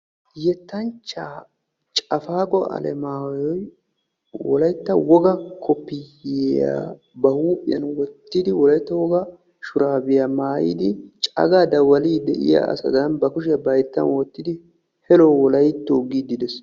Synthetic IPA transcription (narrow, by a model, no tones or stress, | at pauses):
jɛt̪ːɐnt͡ʃːaː | t͡ʃʼɐfaːkʼɔɐ̰lɛ̰maːwjɔj | wɔ̰lɐjt̪ːɐwɔɡɐkʰɔpːɪea̰ | bɐhuːpʼɪjɐnwɔt̪ːɪd̪ɪwɔlɐjt̪ːɐwɔɡɐ | ʃʊɾaːbɪjamaːjḭːd̪ɪt͡ʃʼɐ̰ɡaːd̪ɐwɐliːd̪ɛʔɪ̰ja̰ɐ̰sɐ̰d̪ɐnbɐkʊʃ̬ɪjɐbɐjt̪ːɐ̰nwɔt̪ːɪd̪ɪ | hɛlɔwɔlɐjt̪ːoːɡid̪ɪd̪ɛs